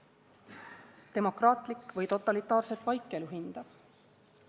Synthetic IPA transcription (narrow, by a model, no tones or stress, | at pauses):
t̪e̞mo̞krɑːt̪likːvɤjt̪o̞t̪ːˑɑlit̪ːˑɑːrset̪ːvɑjkːˑeluɦind̪̥ɑ̥